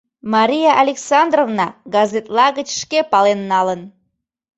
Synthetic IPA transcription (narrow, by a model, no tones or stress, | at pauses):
mɑɾʲijɑʔɑlʲeksɑnd̪rovnɑɡɑzet̪lˠɑɣət͡ɕʃkepɑlenːɑlən